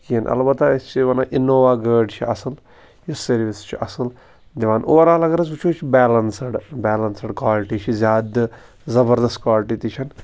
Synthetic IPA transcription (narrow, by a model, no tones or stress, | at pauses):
kinʔɐ̰lbɐt̪ːaist͡ʃʰiʋɐnaːʔinoːʋaːɡəːɖt͡ʃʰiɐsɨl | jisɐɾʋist͡ʃʰiʔɐsɨl | d̪iʋaːnoːɾaːlɐɡɐɾɐzbut͡ʃʰoːt͡ʃʰibɛːlɐnsɨɽbɛːlɐnsɨɖkwaːlɪʈiːt͡ʃʰizʲjaːd̪ | zɐbɐɾd̪ɐstkwaːlʈit̪it͡ʃʰɐn